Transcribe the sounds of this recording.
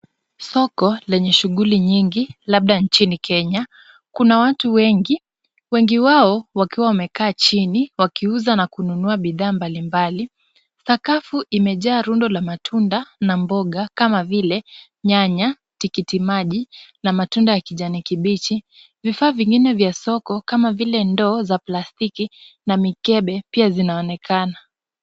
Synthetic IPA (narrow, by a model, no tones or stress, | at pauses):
sɔkɔlɛɲɛʃuɠuliɲiŋɡilaɓ̚ɗant͡ʃinikʰɛɲa | kunawatuwɛŋɡi | wɛŋɡiwaɔwakiwawamɛkaːt͡ʃiniwakiuzanakununuaɓiðaːmbalimbali | sakafuʔimɛʄaːɾundɔlamatʰundanambɔɠakamavilɛ | ɲaɲa | tikitimaʄinamatundajakiʄanikiɓit͡ʃi | vifaːviŋɡinɛvjasɔkɔkamavilɛndɔːzaplastiki | namikɛɓɛpiazinaɔnɛkʰana